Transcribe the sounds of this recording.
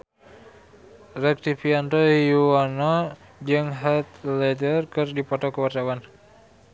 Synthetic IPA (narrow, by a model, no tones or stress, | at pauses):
rɛk̚t̪ifiant̪ɔjuanɔ | d͡ʒəŋɦat̪lɛdərkɨrdipɔt̪ɔkəwart̪awan